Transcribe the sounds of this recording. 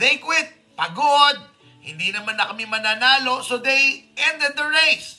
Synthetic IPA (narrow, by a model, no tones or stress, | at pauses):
d̪ejkwɪt̪̚ | pɐɡod̪̚ | hɪ̰nd̪iːnɐmanːɐkɐmimɐnaːnaːlo̞sod̪ejɛ̃nd̪ɛd̪̚d̪ɐɹejs